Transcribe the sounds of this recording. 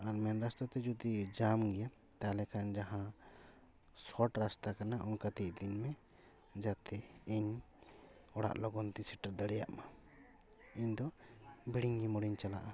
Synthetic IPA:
aɾmɛnɾast̪at̪ɛd͡ʒud̪id͡ʒamɡɛja | t̪alɛkʰand͡ʒaɦã | sɔʈɾast̪akanaʔɔnkat̪iʔ̚d̪inmɛ | d͡ʒat̪ɛiɲ | ɔɽa̰ʔlɔɡɔnt̪isɛʈaɾd̪aɽɛja̰ʔma | iɲd̪ɔbiɽiŋɡimɔɽiɲt͡ʃala̰ʔa

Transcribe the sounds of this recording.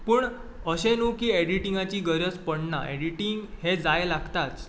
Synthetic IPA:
puːɳ | əɕenukiːeɽiʈĩŋɡat͡ɕiːɡəɾjət͡spəɳna̰ḛɽiʈiŋɡhed͡zajlaɡt̪at͡s

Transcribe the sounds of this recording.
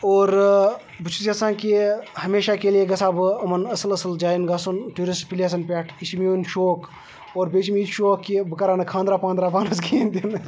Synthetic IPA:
oːɾ | but͡ʃʰusʲjasãːnkihɐmeːʃakeːlijeɡɐsaːbɐmɐnɐsɐlɐsɐld͡ʒaːjinɡaːsunʈuːɾisʈpiles̬ɐnpʲeːʈʰiʃimijonʃoːk | oːɾbeːt͡ʃmiit̪ʃoːkːibəkaɾaːnɐkʰãːnd̪ɾaːpaːnd̪ɾaːpaːnɐsɡʰend̪in

